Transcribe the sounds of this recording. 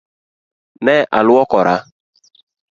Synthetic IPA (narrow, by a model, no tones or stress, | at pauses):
nɛʔa̰lʊɔkɔɾa